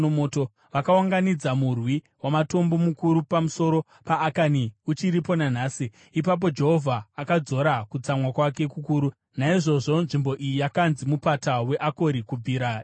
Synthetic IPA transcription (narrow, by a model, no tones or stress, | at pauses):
omoːto | ʋakawaŋɡanid͡zamurwi | wamato̞mbo̞mukuɾupamuso̞ɾo̞ | paːkaniut͡ʃiɾipo̞nan̤aːsi | ipap̬o̞d͡ʒe̞ɦo̞vʱaːkad͡zo̞ɾakut͡samwakwake̞kukuːɾu | naiʐo̞ʐo̞nʐimbo̞ʔijijakanzimupatawe̞ʔako̞ɾikub͡viːɾa